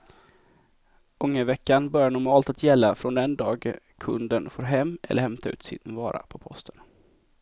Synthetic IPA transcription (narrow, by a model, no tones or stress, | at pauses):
ɵŋːəvɛkːanbœɾjanʊɾmɑːlt̪at̪ʰjɛlːafɾɔnd̪ɛnd̪ɑːɡ | kʰɵnd̪ənfoːɾɦɛmːʔɛ̰ləɾhɛmt̪ʰaʉ̟ːt̪sɪ̰nvɑːɾa̰pʰɔpʰɔst̪ʰən